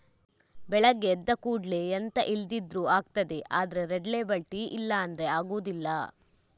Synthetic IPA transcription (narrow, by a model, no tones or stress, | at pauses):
bɛɭɐɡːeːd̪ːɐkuːɖleɐnt̪ɐʔild̪id̪ɾuaːɡ̚t̪ɐd̪eʔaːd̪ɐɾeɾeɖleːbɐɭʈiʔilːɐːnd̪ɐɾeaːɡuːd̪ilːɐ